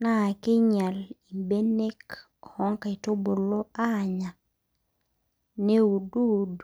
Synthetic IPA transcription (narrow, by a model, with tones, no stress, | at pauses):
na˦˨ki˦ɲa˨li˨mbe˦ne˦k | hɔ˦ŋka˨i˨to˦bo˨lo˦a˦˨ɲa˨ | ne˦u˨du˦˨d